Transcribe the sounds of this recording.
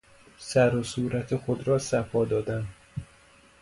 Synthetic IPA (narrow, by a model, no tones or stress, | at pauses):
sæɾosuːɾæt̪ʰexod̪ɾɒːsæfɒːd̪ɒːd̪æn